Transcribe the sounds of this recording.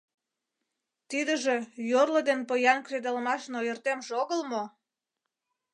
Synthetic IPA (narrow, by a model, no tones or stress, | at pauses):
t̪id̪ə̆ʒejorlə̆d̪enpəjɑnkred̪əlmɑʃnojərt̪emʒoɣəlmo